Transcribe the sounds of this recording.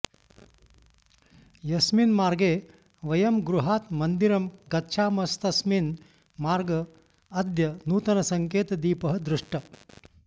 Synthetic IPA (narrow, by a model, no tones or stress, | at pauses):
jɐsminmaːɾɡeː | ʋɐjɐmɡɾuɦaːt̪mɐnd̪iɾɐmɡɐt̪ːʃʰaːmɐst̪ɐsmin | maːɾɡɐː | d̪jɐnuːt̪ɐnɐsɐŋkeːt̪ɐd̪iːpɐɦɐd̪ɾuʂʈɐ